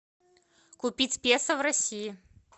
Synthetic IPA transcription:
kʊpʲitʲpʲesɐvrɐsʲiji

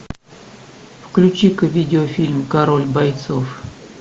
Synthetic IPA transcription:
fklʲʉt͡ɕikvʲidʲɪofʲilʲmkaɾolʲbajt̪sof

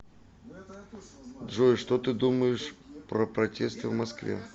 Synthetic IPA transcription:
d̪ʐojɪʂt̪ot̪ɨd̪uməjɪʂpɾəpɾɐtʲest̪ɨvmɐskvʲḛ

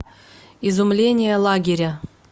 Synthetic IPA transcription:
izʊmlʲenʲɪjəlˠaɡʲɪɾʲə

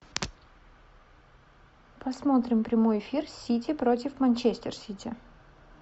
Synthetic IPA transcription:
pɐsmot̪ɾʲɪmpɾʲɪmo̞jɪfʲirsʲːitʲɪpɾo̞tʲɪfmɐnʲt͡ɕesʲtʲɪrsʲitʲɪ

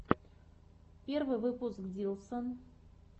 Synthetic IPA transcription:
pʲervɨjvɨpʊskd̪ʲilˠsən

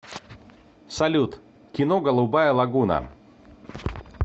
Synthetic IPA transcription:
sɐlʲut̪ | kʲɪnoɡəlˠʊbajəlˠɐɡunə̰

